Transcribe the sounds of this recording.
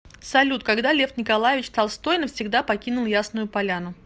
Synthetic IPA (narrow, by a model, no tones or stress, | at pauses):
sɐlʲut̪̚kɐɡd̪alʲe̞fnʲɪkɐlˠajɪvʲɪt͡ɕst̪alˠst̪o̞jnəfsʲɪɡd̪apɐkʲinʊlˠjasnʊjʊpɐlʲanʊ